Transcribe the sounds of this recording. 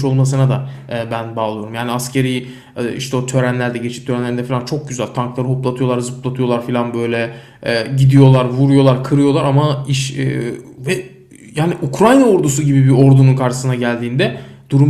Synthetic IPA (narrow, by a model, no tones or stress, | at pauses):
ʃo̞lˠmas̬ɯnad̪abænbaːlˠɯjo̞ɾumjaːniascʰe̞ɾij | ɛiʃt̪ʰɛot̪ʰø̞ɾænlʲæɾd̪ɛɟe̞t͡ʃʰi̥ːøɾænlʲeind̪ɛfilʲant͡ʃʰo̞k̚ɟyzælʲt̪ʰaŋklˠaɾɯɦoplˠat̪ʰɯjo̞lˠaɾzɯplˠat̪ʰɯjo̞lˠaɾfilʲanbø̞jlʲɛ | ɟid̪ijo̞lˠaɾvuɾujo̞lˠaɾkʰɯɾɯjo̞lˠaɾamaiʃ | vɛ | jaːniʔukɾajnaoɾd̪us̬uɟibibio̞ɾd̪ununkʰaɾʃɯ̥sɯnaɟælʲd̪iːnd̪ɛd̪̥uɾum